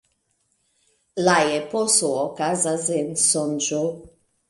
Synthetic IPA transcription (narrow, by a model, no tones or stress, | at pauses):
lajɛpɔsoɔkazazensɔnd͡ʒo